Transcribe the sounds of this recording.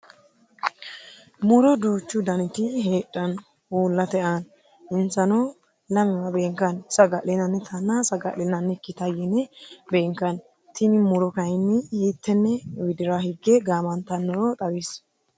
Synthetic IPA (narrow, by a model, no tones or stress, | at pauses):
mʊɾɔd̪uːt͡ʃːʊd̪ɐnɪt̪ɪɦeːtʼːɐn | uːlːɐt̪ɛʔan | ɪnsɐno | lɐmɪwɐbeːŋkːɐnsɐɡɐʔlɪnɐnːɛt̪ʰɐnːasɐɡɐ̰ʔlɪnɐnːɛkːɪt̪ɐjɛnɛbeːŋkːɐn | t̪ɪnɪmʊɾɔkɐjɪnːɪhiːt̪ːɛnːɛwɪd̪ɪɾahɪɡːɛɡaːmɐnt̪ːɐnːɔɾɔt̪ʼɐweːs